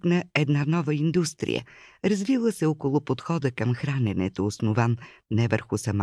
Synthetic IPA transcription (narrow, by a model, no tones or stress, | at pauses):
knɐɛd̪nanɔvəind̪ust̪ɾḭjə̰ɾɐzvilˠəsɛokolˠʊpot̪xɔd̪əkəmxɾanɛnɛ̰t̪oːsnʊvannɛvəɾxʊsɐma